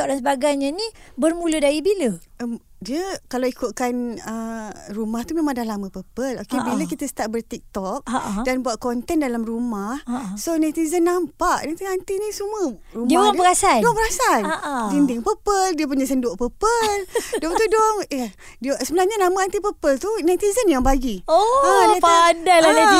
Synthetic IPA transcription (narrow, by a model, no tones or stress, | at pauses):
ɔʔ̚dansəbaɡajɲanibərmũlədaibiləʔəm | diəkalawikut̪̚kanərumaht̪umãmãdalamə̃pəpəlo̰kebiləkit̪əsə̥t̪aʔbərt̪ik̚t̪ɔk̚danbuaʔ̪̚kɔnt̪ɛndalamrumahsonat̪izənːampaʔnaŋt̪iŋant̪inĩsumə̃ | rumapəɡasadɔŋpəɣasaldindiŋpəpəldiəp̬uɲasəndoʔpəpəldɔmt̪udɔmi | dsəbənahɲanamə̃ant̪ipəpəlt̪unat̪izənjaŋbaɡioapadajlahna